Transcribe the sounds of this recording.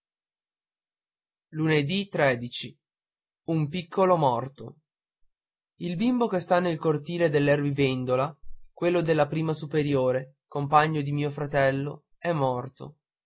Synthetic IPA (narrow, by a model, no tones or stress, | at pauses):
luned̪it̪ɾeːd̪it͡ʃi | umpikʰːolomɔrt̪o | ilbimbokest̪anːelkort̪iːled̪elːɛrvivend̪olakwelːod̪elːapɾiːmasupeɾjoːɾe | kompaɲːod̪imiːofɾat̪ɛlːo | ɛmːɔrt̪o̰